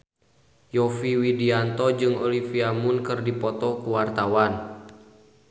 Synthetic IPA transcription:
jɔfiwidiant̪ɔd͡ʒɨŋɔlifiamunkɨrdipɔt̪ɔkuwart̪awan

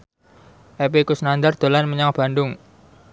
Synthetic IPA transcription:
ʔɛp̬ekusnand̪ard̪̥o̤lanməɲaŋb̥a̤ndʊŋ

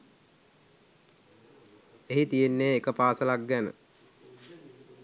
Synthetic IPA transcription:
eɦit̪ijenːeːkəpaːsəlak̚ɡænə̰

